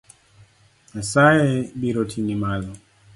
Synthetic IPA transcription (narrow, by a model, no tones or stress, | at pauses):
asaɛbiɾɔtʰinimalɔ